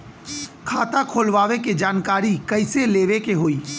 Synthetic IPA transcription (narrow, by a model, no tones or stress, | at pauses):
kʰaːt̪akʰoːlʋaːʋeked͡ʒaːnkaːɾikɐɪseleːʋekeɦoːiː